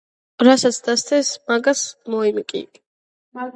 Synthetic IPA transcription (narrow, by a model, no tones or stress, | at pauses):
ɾasat̪sʰd̪ast̪ʰɛsmaɡasmɔimikʼḭ